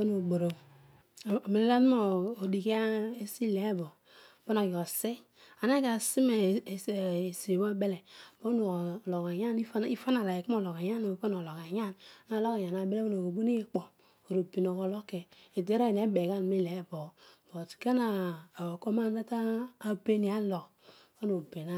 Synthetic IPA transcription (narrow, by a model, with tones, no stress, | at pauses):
o˦no˨ɡ͡bo˨ɾo˨ | me˨le˦la˦tmoː˦˨di˨ki˦a˦e˦si˦le˨˦bo˨ | po˦no˨jo˨se˦ | a˨ne˦ka˨si˦me˨ | se˨bo˦be˦le˨bo˦o˨lo˨ka˨ɲa˦ni˦i˦fa˦na˨la˨e˨ki˦m˦o˦˨lo˨ka˨ja˦no˨po˦no˨lo˨ka˨ja˦n˦na˦˨lo˦ka˨ɲa˨na˨˦be˦le˦o˦no˨ko˨bu˦ni˦k͡po˨ | o˨ɾo˨bi˨no˨ko˨lo˦ke˨ | e˨de˦ɾa˦˨ne˦be˨ka˦n˨mi˦le˨˦bo˨b̥o˨tka˦na˨ko˦ma˦n˦a˦taː˦be˦ni˨˦a˦lo˨k | ka˦no˨be˨na˦